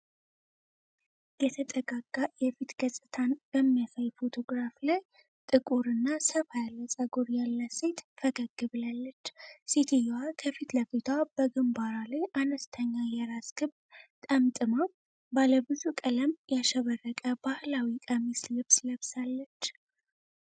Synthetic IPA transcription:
jɛt̪ʰət̪ʼəɡaɡajɛfit̪ɡəsʼɨt̪ʰanb̥əmːjasəjfo̞t̪ʰo̞ɡɾaflaj | t̪ʼɨkʼuɾɨnːasəβajaləsʼəɡoɾjalːəset̪fəɡəɡːɨβlalːət͡ʃːsit̪ʰijwakʰəfit̪ləfit̪ʰab̥əɡɨmbaɾalajʔanəst̪ʰəɲːajɛɾasɡ̥ɨβ | t̪ʼəmt̪ʼɨməw | baləbɨzukʼələmjaʃəβərːəkʼəbahlawikʼəmislɨβsləβsalːət͡ʃː

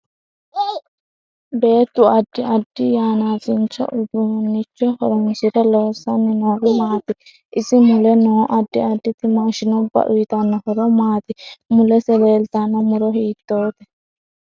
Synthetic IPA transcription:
beːt̪ːuɐɖːiɐɖːijaːnaːsint͡ʃa̰ʔud̪unːit͡ʃːɔhɔɾɔŋsiɾalɔːsaninɔɡumaːt̪i | isimulɛnɔːʔaɖːiaɖːit̪imaʃinɔbɐ̰ʔuit̪anːahɔɾɔmaːt̪imulɛsɛlɛːlt̪anamuɾɔɦiːt̪ːoːt̪ɛ

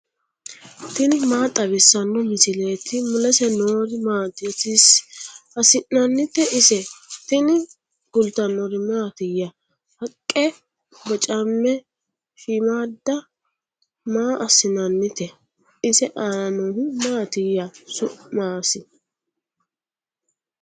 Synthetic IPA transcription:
t̪ɪnɪmaːt̪ʼɐβɪsːɐnːɔmɪsɪle̞ːt̪ːɪmʊlɐsɛnoːɾɪmaːd̪ɪt̪ɪsɐsɪnnɐnːɪt̪ːɛʔɪsɛt̪ɪnɪ | ɡ̥ʊlt̪ɐnːɔɾɪmaːt̪ɪjːɐ | hɐkʼːɛ | bɐt͡ʃʼɐmːɛ | fimaːd̪ːɐ | maːʔɐsɪnɐnːɪt̪ɛ | ɪsɛʔanɔnɪmaːt̪ɪjːɐsʊʔmaːsɪ

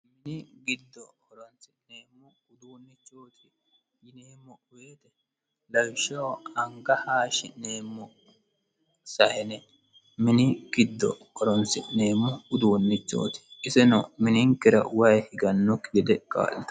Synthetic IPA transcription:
mɪnɪɡɪd̪ːɔɔɾɔnt͡sɪneːmːʊ | ʊd̪uːnːɪt͡ʃːoːt̪ɪ | jɪneːmːɔʊweːt̪ɛ | lɐwʃɐwɐŋɡɐhaːʃɪneːmːɔ | sɐhɛnɛ | mɪnɪɡ̥ɪd̪ːɔ̰ | ɔɾɔnt͡sɪneːmːɔʊd̪uːnːɪt͡ʃːo̰ːt̪ɪ̥ɪsɛnɔmɪnɪŋkːɪɾɐ̰wɐjhɪɡɐnːɔkɪɡɛd̪ɛkʼa̰ːlɪt̪ɐ̥

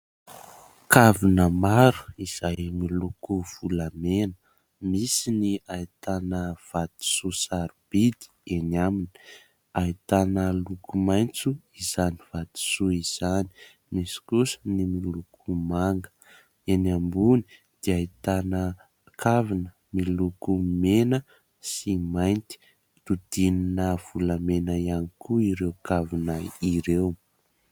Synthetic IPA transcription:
kavinəmaɾu̥iz̥ajmilukuv̥ulamenə | misiniajt̪anəv̥at̪i̥susaɾib̥id̪i̥enamini̥ | ajt̪anəlukumajnt͡suizaniv̥at̪i̥suiz̥ani̥ | misi̥kusənimilukʰumaŋɡə̥ | enambuni̥ | d̪̥iait̪anə | kʰavinə | milukumenə | simajnt̪i̥ | t̪ud̪̥ininəv̥uləmenaianikuiɾewkavinəiɾew

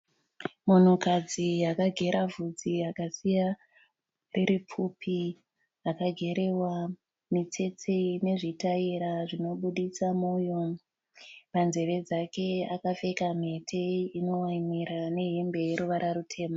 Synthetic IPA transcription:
mun̤ukad͡zijakaɡʱe̞ɾʔavʱud͡ziakasija | reɾipʰupʰi | akaɡʱe̞ɾe̞wa | mit͡se̞t͡sine̞ʐitaiɾaʐino̞ɓuɗisamujo | panze̞ʋe̞d͡zake̞akafe̞kam̤e̞tʰe̞ino̞waimiɾane̞ɦe̞mbe̞jeɾuʋaɾarutʰe̞ːma

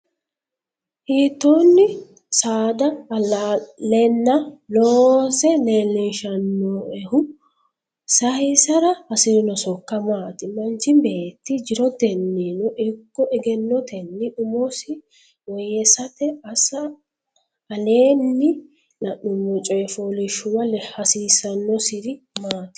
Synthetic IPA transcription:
hiːt̪ːonːɪ | saːd̪ɐlalɛnːɐloːsɛneːlːɪnʃɐnːɔɛhʊ | sɐhɪsɐɾɐɐsɪɾɪnɔsɔkːɐmaːt̪ɪmɐnt͡ʃːɪmbe̞ːt̪ːɪd͡ʒɪɾɔd̪ɛnːinɔʔɪkːɔʔɛɡɛnːɔt̪ɛnːɪʊmɔsɪ | wɔjɛsɐt̪ɛɐsɐ | ɐleːnːɪ | nɐʔʊmːɔt͡ʃʼɔjɛfolɪʃʊwɐlɛhɐsiːsɐnːɔsɪɾɪ | maːt̪ɪ̥

